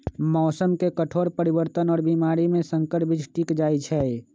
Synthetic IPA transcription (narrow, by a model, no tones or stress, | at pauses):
mɔːsəmkekəʈʰoːɾpəɾiwəɾt̪ənɔːɾbiːmaːɾimẽsə̃ŋkəɾpɪt͡ʃʰʈiːkd͡ʒaːit͡ʃʰɛ